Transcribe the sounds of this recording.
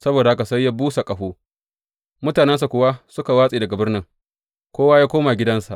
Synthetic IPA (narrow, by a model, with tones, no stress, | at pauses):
sɐ˦boː˨da˨ha˦ka˨sɐ˦jːa˦buː˦sa˨kʼɐ˨ɸoː˦ | mʊ˦taː˨nɛ˦ns̬a˨kʷʊ˦wa˦sʊ˦ka˨waː˦sʼiː˨dɐ˨ɡa˨bɪ˦rnɪ˦ŋ | kʷoː˦waː˦jaː˦kʷoː˦ma˨ɡʲɪ˦dɐ˦nsa˨ʔ